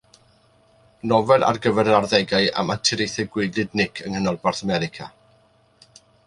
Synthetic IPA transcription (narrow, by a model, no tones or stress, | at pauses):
nɔvɛlˠʔa̰rɡəvɛɾənarðɛɡaɨa̰matʰɪɾejθɛɡwɪɡɨdnɪkʰəŋhənɔlˠbarθəmɛɾɪkʰa̰